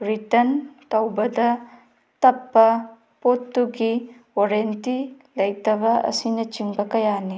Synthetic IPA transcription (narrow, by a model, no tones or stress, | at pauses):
ɾitɐntɐwbɐdɐ | tɐpːɐ | potːuɡi | oɾenti | lɐjtɐbɐʔɐ̰sinɐt͡ʃiŋbɐkɐjani